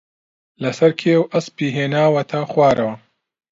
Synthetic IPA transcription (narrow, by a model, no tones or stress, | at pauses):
lɐsɐɾkʰeːwʔɐspiːɦeːnaːwɐt̪ʰɐxwaːɾʔɐwɐ